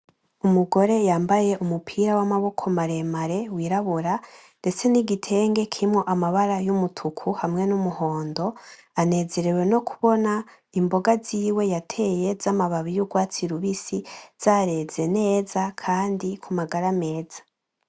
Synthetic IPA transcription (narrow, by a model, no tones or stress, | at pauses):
umuɡo̞ɾe̞jaːmbaje̞ʔumupʰiːɾawamaβo̞kʰo̞maɾe̞maɾe̞wiːɾaβuɾande̞t͡se̞niɡitʰe̞ːŋɡe̞kʰiɾimŋo̞ʔamaβaɾajumutʰukʰuhamŋe̞numuho̞ːndo̞ane̞ːze̞ɾeɾwe̞no̞kʰuβo̞na | imbo̞ɡaziːwe̞jatʰe̞je̞zamaβaβijuɡwaːt͡siɾuβisiz̥aɾe̞ze̞ne̞ːzakʰaːndikʰumaɡaɾame̞ːz̥ḁ